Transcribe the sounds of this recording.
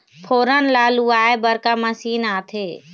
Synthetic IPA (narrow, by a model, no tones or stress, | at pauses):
pʰoːɾənlaːluaːebəɾkamɐsiːnaːt̪ʰeː